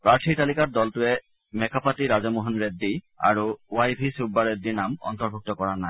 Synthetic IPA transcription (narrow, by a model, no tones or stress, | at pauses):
pɹaɹtʰitalikat̚dɔltʊɛ | mɛkapʰatiɹazɔmuɦɔnɹedːi | a̰ɹuwajbʱisubːaɹedːiɹnamɔ̰ntɔɹbʱuk̚tɔkɔɹanaj